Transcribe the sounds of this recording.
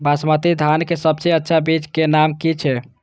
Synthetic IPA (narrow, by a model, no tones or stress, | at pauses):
basmət̪id̪ʱankesəb̚seətːʃʰabit͡ʃkenamkit͡ʃʰɛ